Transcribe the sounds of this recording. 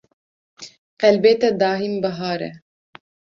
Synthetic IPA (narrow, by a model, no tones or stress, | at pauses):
qɛlbeːt̪ɛd̪ɑːɦimbɐɦɑːɾɛ̰